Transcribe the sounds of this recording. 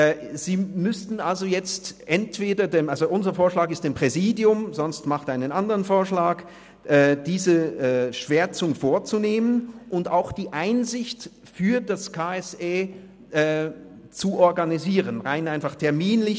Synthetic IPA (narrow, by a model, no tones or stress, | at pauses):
z̥iːmʏstn̩alzojɛt͡stʔɛntv̥eːdɐdeːmʔalzoʔʊnzɐfoːɐʃlaːkɪstd̥eːmpʁ̥ɛziːdjʊmzɔnstmaχtʔaɪnənandəʁənfoːɐʃlaːk | ʔɛːd̥iːzəɛːʃv̥eːɐt͡sʊŋfoːɐt͡suneːmənʔʊntaʊxd̥iːʔaɪnzɪçt | fyːɐdaskʰaːɛseː | ʔɛː | t͡suʔɔɐɡaniziːʁənʁaɪnʔaɪnfaχtʰɛɐmiːnlɪ